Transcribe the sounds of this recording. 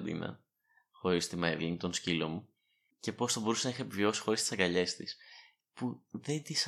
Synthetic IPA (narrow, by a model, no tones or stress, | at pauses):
d̪ḭnɐ̰ | xo̞ɾist̪imɐevliŋt̪o̞nscilo̞mu | ce̞po̞sθɐbo̞ɾusenɐixɐepivio̞si̥xo̞ɾist̪isɐŋɡɐʎe̞st̪is | puðe̞nd̪is